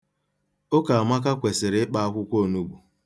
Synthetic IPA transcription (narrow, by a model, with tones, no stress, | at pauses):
o˦ka˨a˨ma˦k̬a˦kʷe˨sɪ˨ɾɪ˦k͡pa˦a˦kʷʊ˦kʷo˦˨nu˦ɡ͡bu˨